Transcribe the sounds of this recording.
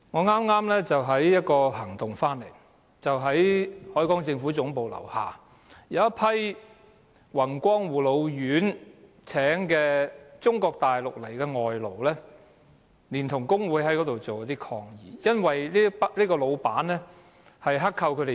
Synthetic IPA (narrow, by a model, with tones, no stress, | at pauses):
ŋɔː˨˧ŋaː˥mŋaː˥mlɛː˥t͡sɐ˨wɦɐ˨˥jjɐ˥t̚kɔː˧ɦɐ˨˩ŋt̪ʊ˨ŋfaː˥nle˨˩j | t͡sɐ˨wɦɐ˨˥jhɔː˨˥jkɔː˨˥ŋt͡sɪ˧ŋfuː˨˥t͡sʊ˨˥ŋpo˨wlɐ̰˨˩wha̰ː˨˩ | jɐ˨˧wɐ˥t̚pʰɐ˥j | wɐ˨˩nkʷɔː˥ŋwuː˨˩lo˨˧wjyː˨˥n | t͡sʰɛː˨˥ŋkɛː˧t͡sʊ˥ŋkɔː˧k̚t̪aː˨jlʊ˨k̚lɐ˨˩jkɛ˧ŋɔː˨jlo˨˩wlɛː˥ | liː˨˩nt̪ʰʊ˨˩ŋkʊ˥ŋwuː˨˧˥jɦɐ˨˥jkɔː˨˥t̪o˨wt͡so˨wt̪iː˥kʰɔː˧ŋjiː˨jɐ˥nwɐ˨jli˥liː˥kɔː˧lo˨˧wpaː˨˥nɛː˥ | hɐ˨jɦɐ˥kʰːɐ˧wkʰɵ˨˧ɾe˨